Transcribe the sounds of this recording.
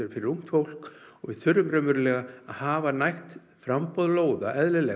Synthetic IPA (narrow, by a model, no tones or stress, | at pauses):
ɾfɪɾɪɾuŋ̥t̪fowl̥kɔɣvɪðθʏɾʏmɾœːmʏɾlɛɣaaðhaːvanajht̪ | fɾampɔðloːwða̰ʔɛðlɪlɛ